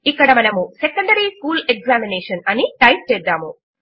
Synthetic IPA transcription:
ikːɐɽɐmɐnɐmusekɐɳɖɐɾiskuːlek̚zaːmineːʂɐnɐniʈɐjp̚t͡ʃɛːd̪ːaːmu

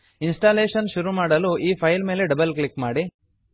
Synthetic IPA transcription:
insʈaːleːʃɐnʃuɾumaːɽɐluʔiːpʰɐjlme̞ːleɖɐbɐlklikmaːɽi

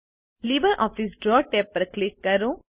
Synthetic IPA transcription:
liːbəɾʔɔːfisɖɾɔːʈeːpːɐɾklikːɐɾu

